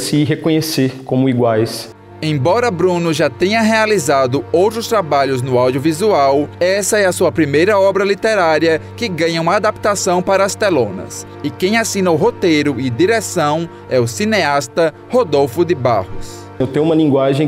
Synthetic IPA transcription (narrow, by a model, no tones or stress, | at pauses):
sɪɦekõɲeseɾkõmʊiɡwajs | ẽj̃bɔɾɐbɾũnʊʒat̪ẽɲɐɦealizad̪ʊowt̪ɾʊst̪ɾabaʎʊznʊawd̪iʊvizuawɛsɐɛɐsuɐpɾimejɾɐɔbɾɐlit̪eɾaɾiɐkɪɡɐ̃ɲɐũmɐad̪ap̚t̪asɐ̃w̃paɾɐst̪elõnɐ̰s | ɪkẽj̃asĩnɐʊɦot̪ejɾʊɪd̪iɾesɐ̃w̃ | ɛʊsineast̪ɐ | hod̪owfʊd̪ɪba̰hʊs | ewt̪ẽjʊ̃ũmɐlĩŋɡwaʒẽj̃